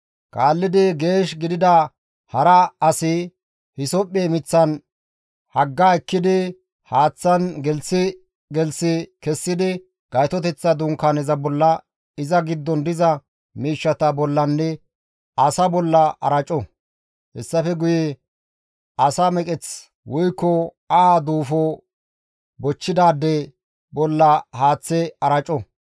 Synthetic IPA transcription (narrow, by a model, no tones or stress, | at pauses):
kʼaːlːɪd̪ɪɡe̞ːʃɡɪd̪ɪd̪ɐ | hɐɾɐɐsɪ | hɪsɔpʼːeːmɪt͡sːɐn | hɐɡːaːɛkːɪd̪ɪ | haːt͡sːɐnɡɛlsɪ | ɡɛlsɪkɛsːɪd̪ɪ | ɡ̥ɐjt̪ɔt̪ɛt͡sːɐd̪ʊŋkanɛzɐbɔlːɐ | ɪzɐɡɪd̪ːɔnd̪ɪzɐ | miːʃːɐt̪ɐbɔlːɐnːɛ | ɐsɐbɔlːɐʔɐ̰ɾɐt͡ʃʼɔ | hɛsːɐfɛɡʊjɛ | ɐsamɛkʼɛt͡s | wɔjkːɔ | ad̪uːfɔ | bɔt͡ʃːɪd̪aːd̪ːɛ | bɔlːɐhaːt͡sːɛɐɾɐt͡ʃʼɔ